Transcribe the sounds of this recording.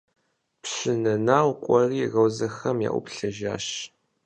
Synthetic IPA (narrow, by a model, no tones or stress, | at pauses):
pɕɨnɐnaːwkʷʼɔriːɣɐwzɐxɐmja̰ːʔʷʊ̰pɬɐʒaːɕ